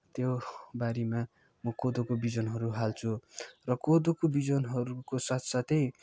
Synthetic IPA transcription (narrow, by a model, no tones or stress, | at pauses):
t̪jobaɾima | mʌkod̪okobid͡zʌnɦʌɾuɦalt͡sʰurʌkod̪okobid͡zʌnɦʌɾukosat̪ʰsat̪ʰʌj